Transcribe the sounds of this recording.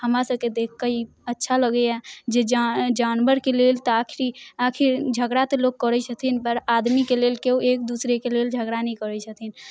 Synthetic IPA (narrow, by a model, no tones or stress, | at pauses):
həmɾasəbked̪ekʰːəi | ətːʃʰaləɡəjad͡ʒed͡ʒad͡ʒanbəɾkelelt̪ɔakʰiɾiakʰiɾd͡ʒʱəɡɾat̪eloɡ̚kːəɾɛsʰət̪ʰinpəɾad̪mikelelkeuek̚d̪usɾekeleld͡ʒʱəɡɾanɛikəɾɛsʰət̪ʰin